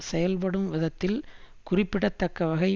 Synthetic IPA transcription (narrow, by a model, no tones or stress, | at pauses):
sɛjɐlpɐɽɯmʋɪðɐt̪ːɪl | kʊrɪpːɪɽɐt̪ːɐkːɐʋɐɣɐɪ